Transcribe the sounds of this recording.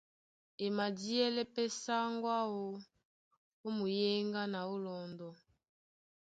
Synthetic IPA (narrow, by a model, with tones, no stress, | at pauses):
e˨ma˨di˦ɛ˦lɛ˦pɛ˦sa˦ŋɡwa˦wo˦ | o˦mu˨je˦ŋɡa˦na˨o˦lɔ˨ndɔ˨